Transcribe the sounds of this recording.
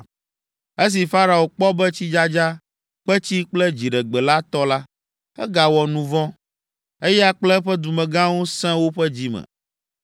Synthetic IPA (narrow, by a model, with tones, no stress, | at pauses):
e˦s̬i˨fa˦ɾa˨o˨k͡pɔ˦bɛ˦t͡ɕi˦d͡ʒa˦d͡ʒa˦ | k͡pɛ˦t͡ɕi˦k͡plɛ˦d͡ʑi˨ɖɛ˨ɡ͡bɛ˨la˦t̪ɔ˦la˦ | ɛ̰˦ɡa˨wɔ˨nũ˨vɔ̃˦ | e˦jɛ˦a˦k͡plɛ˦ɸɛ˦d̪u˨mɛ̃˨ɡã˦wo˦sɛ̃˦wo˦ɸɛ˦d͡ʑi˦mɛ̰̃˨